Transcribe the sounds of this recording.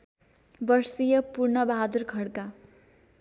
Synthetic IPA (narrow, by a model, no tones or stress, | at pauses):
bʌrsijʌpurnʌbaɦad̪urkʰʌɽka